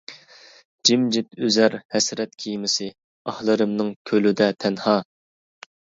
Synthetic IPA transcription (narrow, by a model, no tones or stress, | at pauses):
d͡ʒimd͡ʒɪt̪øzæɾhɛsɾɛt̪̚kʲʰijmɪsɪ | ɑhlˠɨɾɨmnɨŋkʲʰølyd̪ɛt̪ʰɛnhɑː